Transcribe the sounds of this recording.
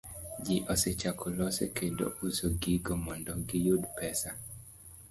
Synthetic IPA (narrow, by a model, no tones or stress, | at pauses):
d͡ʒiʔɔset͡ʃakʰulɔsḛkʰedo̰usoɡiɡɔmɔndɔɡijud̪pɛsa